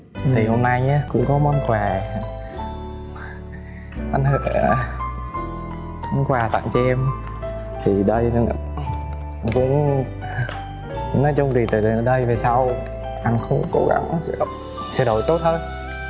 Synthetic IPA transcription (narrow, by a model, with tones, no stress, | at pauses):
t̪ʰi˨˩ho˧mna˧jɲaː˨˧˦kʊ̰˧˥ŋ͡mkɔ˨˦mɔ˧˦nkwaː˨˩˧ | ʔa˧jn̟hə˧˩˧ | kʊ˧˦ŋ͡mkwaː˨˩t̪a̰ː˧˨ŋt͡ɕɛ˧m | t̪ʰi˨˩ɗə˧j | ʔa˧nkʊ̰˧˥ŋ͡m | nɔ˨˦t͡ɕɔ˧wŋ͡mzi˨˩t̪ɨ˨˩˨ɗə˧jve˨˩sa˧w | ʔa˧jŋxə˧wŋ͡mko̰˧ɣa̰˧˦ŋʔa˧nsɛ̰˧˥ɗo˧˨ | sɛ̰˧˥ɗo˧˩jt̪o˦˥t̚t̪o˧j